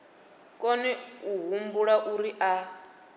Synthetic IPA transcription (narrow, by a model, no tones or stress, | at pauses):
kʼɔniuɦumbuɺaʔuɾiʔa